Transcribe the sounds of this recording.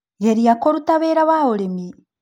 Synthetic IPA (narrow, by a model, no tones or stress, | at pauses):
ɣeɾiakoɾutaβeːɾaβaoɾemi